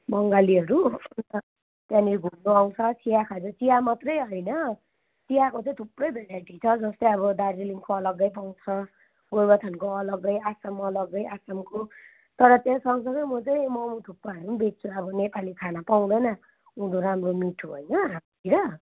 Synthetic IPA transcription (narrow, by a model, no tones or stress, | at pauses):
mʌŋɡaliɦʌɾuntʌ | t̪jãniɡʱumloaw̃t͡sʰʌt͡sʰijakʰad͡zʌt͡sijamat̪rʌjɦʌjnʌ | t͡sijakot͡sʌĩt̪ʰuprʌjbelaʈit͡sʰʌd͡zʌst̪ʌjʌbʌd̪aɾiliŋkoʌlʌɡːʌjp̬aw̃t͡sʰʌ | ɡojbat̪ʰʌnkoʌlʌɡʌjasʌmʌlʌɡːʌjasamko | t̪ʌɾʌt̪jãsʌwŋsʌŋʌjmʌt͡sʌj̃mʌmũt̪ʰupːaɦʌɾubet̚t͡sʰuʌbʌnepalikʰanapaw̃d̪ʌjna | ũd̪oɾamromiʈʰuɦʌjnʌɦam | iɾʌ